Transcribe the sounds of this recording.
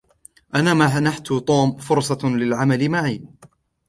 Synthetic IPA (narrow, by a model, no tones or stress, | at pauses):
ʔanaːmaħanaħt̪ʊt̪ˤoːmfʊɾsˤɑlɪlʕamalɪmaʕiː